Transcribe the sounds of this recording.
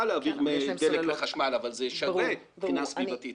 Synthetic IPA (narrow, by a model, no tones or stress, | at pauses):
aleaːviʁmed̪elekleχaʃmalavalzeʃave | χnasviat̪it